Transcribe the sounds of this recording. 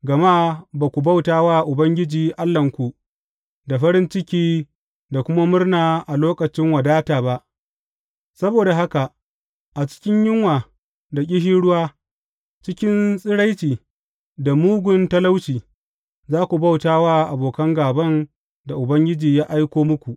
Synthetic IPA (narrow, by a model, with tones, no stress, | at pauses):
ɡɐ˨ma˦baː˨kʷu˨ba˦wtaː˦waː˦ʔʊ˨bɐ˦ŋɡʲɪ˦d͡ʒiː˨ʔa˦lːɐ˨ŋkʷu˨ | da˨ɸɐ˦ɾɪ˦nt͡ʃɪ˦kʲiː˦ | da˨kʷʊ˦ma˦mʊ˦rnaː˨ʔa˨loː˦kɐ˨t͡ʃɪ˦ŋwa˨daː˦taː˨ba˦ʔ | sɐ˦boː˨da˨ɦa˦ka˨ʔ | ʔa˨t͡ʃɪ̥˦kʲɪ˦ɲjɪ˦ŋwaː˨ | da˨kʲʼɪ˦ɦiː˦ɽʊ˦waː˦ | t͡ʃɪ˦kʲɪ˦nsʼɪ˦ɽa˦jt͡ʃiː˨ | da˨muː˦ɡʷʊ˦ntɐ˦la˦wt͡ʃiː˨ | zaː˦kʷu˨ba˦wtaː˦waː˦ʔa˨boː˨kɐ˦ŋɡaː˨bɐ˦n | da˨ʔʊ˨bɐ˦ŋɡʲɪ˦d͡ʒiː˨jaː˦ʔa˦jkʷoː˦mʊ˦kʷu˨ʔ